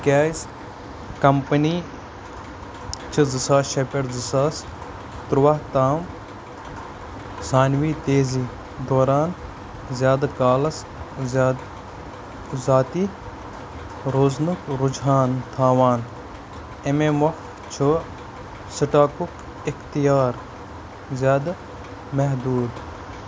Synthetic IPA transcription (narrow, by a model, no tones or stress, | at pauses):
kʲaːjs | kɐmpɐniː | t͡ʃʰɨzɨsaːʃɐpeɽzɨsaːs | t̪ɾwaht̪aːm | saːnʋiːt̪eːziː | d̪oːɾaːn | zʲjaːd̪akaːlɐs | zaːt̪i | ɾoːznukɾud͡ʒɦaːnt̪ʰaːʋaːn | ememɐxf | t͡ʃʰo | sɨʈaːkuk | ɪxt̪ijaːɾ | zjaːd̪ | mɐɦd̪uːd̪